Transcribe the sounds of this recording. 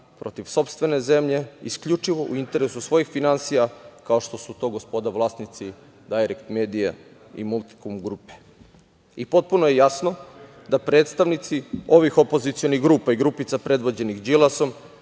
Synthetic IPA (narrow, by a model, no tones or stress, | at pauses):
pɾo̞t̪iʋso̞pst̪ʋe̞ne̞ze̞mʎe̞iskʎut͡ʂiʋo̞ʔṵint̪e̞ɾesusʋo̞jixfinansijakao̞ʃt̪o̞sut̪o̞ːɡo̞spo̞d̪aʋlˠaːst̪nit̪si | d̪ajɾekt̪meːd̪ija̰ | ḭmulˠt̪i̥kumɡɾuːpe | ipo̞t̪̚punojejasno̞ | d̪apɾe̞ːt̪st̪aʋnit̪sio̞ʋixo̞po̞zit̪sijoniɣɡɾuːpaiɡɾuːpit̪sapɾe̞d̪ʋod͡ʑe̞nixd͡ʒilaso̞m